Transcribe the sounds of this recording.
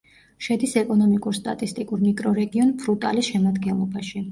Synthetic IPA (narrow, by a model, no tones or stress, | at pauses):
ʃɛd̪isɛkʼɔnɔmikʼuɾst̪ʼa̰t̪ʼist̪ʼikʼuɾmikʼɾɔɾɛɡiɔnpʰɾut̪ʼa̰lisʃɛmad̪ɡɛnlˠɔbaʃi